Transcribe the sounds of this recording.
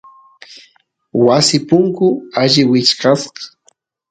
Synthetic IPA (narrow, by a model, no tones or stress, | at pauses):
wasɪpʊŋkʊaʒɪwɪt͡ʃqɑsqɑ̥